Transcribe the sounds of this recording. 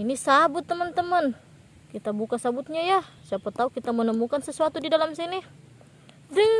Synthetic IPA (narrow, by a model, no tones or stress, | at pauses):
inisabʊt̪ːəmənt̪əmən | kit̪abukasabʊt̪̚ɲajasiapat̪aukit̪amənəmukansəsuat̪udidalamsini | də